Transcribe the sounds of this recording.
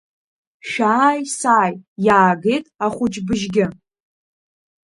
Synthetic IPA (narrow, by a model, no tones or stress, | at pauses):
ʃᶣaːjsaːjjaːɡejtʼaχʷʊt͡ʃʼbɨʒɡʲɪ